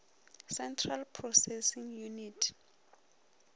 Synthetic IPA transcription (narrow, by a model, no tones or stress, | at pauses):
sɛntʰralpʰrɔsɛsiŋjunitʰ